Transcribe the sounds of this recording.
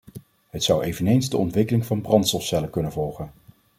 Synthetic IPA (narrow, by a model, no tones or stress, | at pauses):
ɦətsʌwejvənejnzdəɔ̰ntʋɪkəlɪŋvɑnbrɑntsɔlfsɛləkɵnənvɔlˠχən